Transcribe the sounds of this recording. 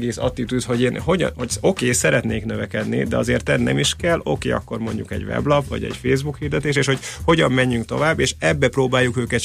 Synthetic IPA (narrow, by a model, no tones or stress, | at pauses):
ɡeːsɒ̰t̪ːit̪yt̪ho̞ɟeːnho̞ɟ̰̪hoo̞keːsɛɾɛt̪neːknøvɛkɛd̪nḭd̪ɛɒzeːrt̪ɛd̪nɛ̰miʃkɛlo̞keːɒ̰kːo̞rmo̞ɲɟukɛ̰ɟvɛ̰blɒpʋɒ̰ɟɛ̰ɟfeːzbukhiːrd̪ɛt̪eːʃeːʃho̞cho̞ɟɒmːɛɲːyŋk̚t̪o̞vaːbːeːʃɛbːɛproːbaːjːukøːkɛt̪